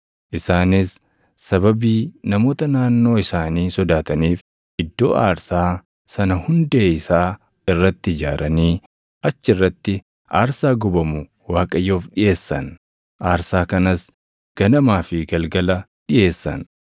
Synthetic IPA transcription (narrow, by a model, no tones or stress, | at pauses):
ʔɪsaːnɪsː | ɐbɐbiːnɐmo̞ːt̪ɐnaːnːo̞ːɪsaːniːsɔd̪aːt̪ɐniːf | ʔɪd̪ːo̞ːʔa̰ːɾsaː | sɐnɐhʊnd̪eːɪsaː | ɪrːɐt̪ːɪɪd͡ʒaːɾʔɐniː | ʔɐt͡ʃːɪrːɐt̪ːɪ | ʔaːɾsaːɡɔbɐmʊ | waːkʼɐjːo̞ːfɗɪjʔe̞ːsːɐ̰n | ʔaːɾsaːkɐnɐs | ɡ̥ɐnɐmaːfɪɡɐlɡɐlɐɗɪjʔe̞ːsːɐ̰n